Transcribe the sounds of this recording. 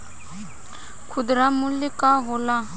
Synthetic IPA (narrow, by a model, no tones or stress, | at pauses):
kʰud̪ɾamulikaɦola